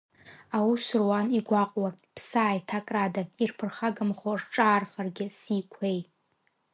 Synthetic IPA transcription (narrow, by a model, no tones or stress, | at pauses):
awusrwaniɡʷaqʼwapʰsaːjtʰakʼradairpʰɨrχaɡɨmχorʈ͡ʂʼaːrχarɡʲɪsikʷʰej